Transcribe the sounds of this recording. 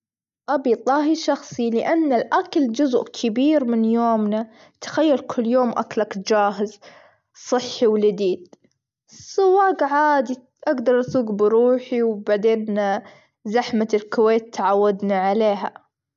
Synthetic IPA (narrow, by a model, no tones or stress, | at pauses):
ʔabit̪ˤɑːɦiʃɑxsˤilɪʔanːalʔakald͡ʒʊzʊʔkʰɪbiːɾmɪnjoːmna | t̪ḁxajːalkʰʊlːjoːmʔa̰klakd͡ʒaːɦɪz | sˤɨħːiwlɪd̪iːd̪̥̚ | sˤʊwːaːɡʕaːd̪i | ʔaɡd̪ɑɾˤʔasuːɡbɪɾuːħiwbaʕd̪eːn | zaħmalkʊweːt̪ːaʕawːad̪naʕaleːɦa̰